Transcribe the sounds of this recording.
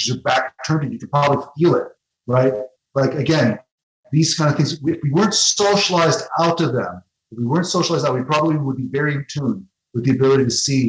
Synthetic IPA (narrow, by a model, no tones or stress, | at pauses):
ɨzə˞bæk̚tʰɜ̃˞nɨɨkɨpɹ̥aʊɾəfilˠɪt̚ | ɹaɪt̚ | laɪkɨɡɛ̃n | ðiz̥kʰãɪ̃ndɨvθɪ̃ŋzwɨfwiwɜ˞ɨ̃ntsoʊʃəlaɪzdaʊɾʌvðɨ̰̃m | ʌfwiwɜ˞ntsoʊʃlˠaɪzdaʊt̚wipʰɹ̥ɑbəbliwəd̚bivɛɹiɨ̃ntʰũn | wɨðiɨbɪlˠəɾiɾɨsi